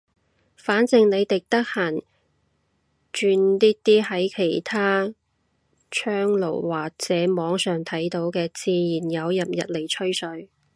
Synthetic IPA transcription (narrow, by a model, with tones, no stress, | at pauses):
faː˨˥nt͡sɪ˨˧ŋne˨˧jt̪ɪ˨k̚t̪ɐ˥k̚haː˨˩n | t͡ʃyː˧nliː˥t̪iː˥hɐ˨˥jkʰe˨˩jt̪ʰaː˥ | t͡ʃʰœː˥ŋlo̰˨˩wwaː˨k̚t͡sɛː˨˥mɔː˨˧ŋsœː˨˩ŋt̪ʰɐ˨˥jt̪o˨˥wkɛː˧t͡siː˧jiː˨˩njɐ˨˧wjɐ˨p̚jɐ̰˨t̚le˨˩jt͡ʃʰɵ˥ɥsɵ˨˧˥ɥ